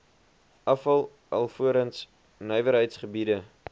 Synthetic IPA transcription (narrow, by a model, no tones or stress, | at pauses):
ʔɐfɐlˠ | ʔɐ̰lˠfuəɾəns | nœɥvəɾɦəjtsχəbidə